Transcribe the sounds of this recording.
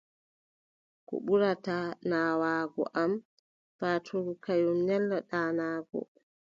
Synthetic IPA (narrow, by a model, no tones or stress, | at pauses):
kɔ̰ɓuɾatanaːwaːɡɔ̰ʔam | paːtʰoɾukajumnɛlːaɗaːnaːɡɔ̰